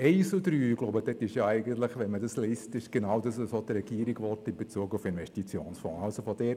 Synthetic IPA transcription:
ɛɪsudɾyːɡloʊbəd̥ɛtɪʃjɑæɪɡəntləχʋɛnmədɑslɪstɪʃɡ̥enawdɑssot̪ɾɛɡ̥iːɾiɡʋɔrtɪmbet͡suːɡufɪnvɛʃtit͡sjoːnsfɔ̰̃ːalsofod̥ɛː

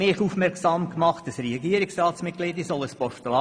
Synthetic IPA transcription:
ɪχufmɛɾksɑːmkmɑχt̚d̥ɑsɾɛɑɡiːəɾɪksrɑːt̪smɪt̚klɪːdəsɔləspɔʃtəlɑ

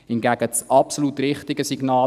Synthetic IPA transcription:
hɪnɡæɡ̥ət͡sʔɑpsolut̪rɪχtɪɡəsiɡnɑː

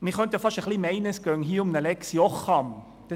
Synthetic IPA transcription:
miχœnt̪jɑfɑʃəχliːmæɪnəsɡ̥œŋɦiːʊmnəlɛksjɔχɑm | d̥ɛ

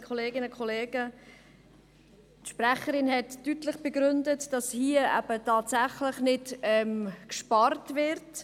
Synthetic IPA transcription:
kʰχɔleːɡɪnəkʰχɔleːɡə | tʃprɛχəɾɪnhɛtːytlɪχb̥əɡɾʏndətd̥ɑshiəʔæ̰b̥ətɑːtsæχlɪχnɪtɛmkʃpɑrtvɪɾt

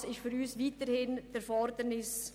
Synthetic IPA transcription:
sɪʃfyɾyːsʋiːtəɾhɪnd̥əɾfɔɾdənɪs

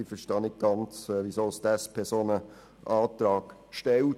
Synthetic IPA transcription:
ifəʃtɑnɪk̚ɡ̥ɑnt͡sːʋisosd̪ɛspʰɛsoːnə | ʔɑːt̪ɾɑːɡ̥ʃtɛl

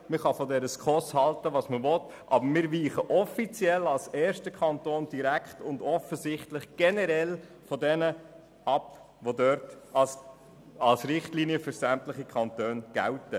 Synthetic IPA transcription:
məχɑfɔdɛɾəskχɔshɑltəʋɑːsməvɔt | ʔɑ̰bəɾmɪːɾʋiːχəʔɔfit͡sjɛlɑlsɛːɾʃtəkʰɑntoːnd̥iɾækχtʊndɔfəzɪχtlɪχɡ̥ɛnəɾɛl | fɔdɛnə | ɑp | ʋodœɾt | ɑs | ɑlsɾɪχtliːniəfʏɾsæmtləχikʰχɑntøːnɡ̥æ̰ltə

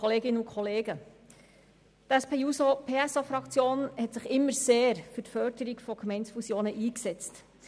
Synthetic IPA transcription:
ɔleːɡɪnəukʰχɔleːɡə | tæspeːusopʰeːæsofɾɑkt͡sjoːnhɛtsɪχɪmːəɾseːɾfʏtfœɾdəɾiɡfɔɡmɛɪntsfusjoːnəʔiːksɛt͡st

